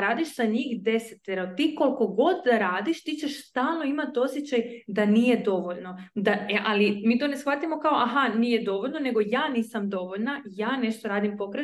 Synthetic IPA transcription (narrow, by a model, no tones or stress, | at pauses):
ɾaːd̪iʃz̥aɲiːxd̪e̞set̪ːeɾat̪iːko̞lko̞ɡo̞d̪aɾaːd̪iʃt̪it͡ɕe̞ʃst̪aːlˠno̞imat̪o̞sjet͡ɕajd̪aniːje̞d̪o̞ʋo̞ʎno̞d̪aeʔalimiːt̪o̞ne̞sxʋat̪imo̞kao̞ʔaɦaniːje̞d̪o̞ʋo̞ʎno̞ne̞ɡo̞jaːniːsamd̪o̞ʋo̞ʎnajaːne̞ʃt̪o̞ɾaːd̪impo̞kɾe